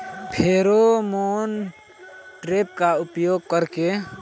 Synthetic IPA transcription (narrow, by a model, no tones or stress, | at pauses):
pʰeːɾomoːn | ʈɾeːp̚kaʊpjoːɡ̚kəɾke